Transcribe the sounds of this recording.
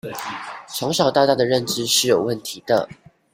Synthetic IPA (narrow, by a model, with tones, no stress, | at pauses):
ʂʰɑ˧˥ŋʂɑ˨˩ʊt̪a˥˧t̪a˥˩d̪ə˩ɻə˥˨nʈ͡ʂɻ̩˥ʂɻ̩˥˩jo˨˩ʊwə˥˩nt̪ʰi˨˥d̪ə̰˧˨